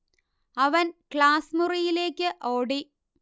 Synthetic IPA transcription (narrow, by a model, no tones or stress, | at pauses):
ɐʋɐnkɭaːsmurijile̞ːkʲːɨʔoːɽi